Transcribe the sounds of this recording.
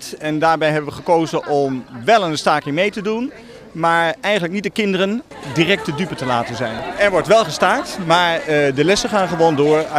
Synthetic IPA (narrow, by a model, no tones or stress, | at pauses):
tɛndaːɹbɛjɦɛbənʋəχəkoːzənʔɔmʋɛlˠənstaːkɪŋmejtədun | maːɹɛjχətlək̚nit̚dəkɪndərən | dirɛk̚tədypətəlaːtənzɛjnɛɹʋɔɹtʋɛlˠχəstaːɹtmaːɹdəlɛsəχaːnχəʋoːndʊːɹ